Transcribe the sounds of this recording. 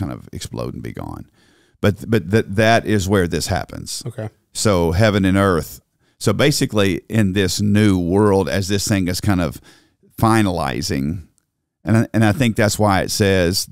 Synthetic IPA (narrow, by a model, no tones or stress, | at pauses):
ãɪ̃ndʌ̰vɨ̰ksplo̰ʊɾ̩bḭɡɑ̰̃n | b̥ʌt̪̚b̥ʌt̪̚ðɨt̪̚ðɨɾʔɪzwə˞ðɪshæ̰pɨ̰̃nz̥okʰe | soʊɦɛvɨ̃nɨ̃nɜ˞θ | soʊbeɪsɨkliʔɪ̃nðɪsnʉwɜ˞lˠdɨ̰zðɪsθɪ̃ŋɨz̥kʰãɪ̃ndʌ̰v̥ | fãɪ̃nəla̰ɪzɪ̰̃ŋ | ɨ̃nʔɨ̃naɪθɪ̃ŋk̚ðætswaɪɨ̰tsɛz̥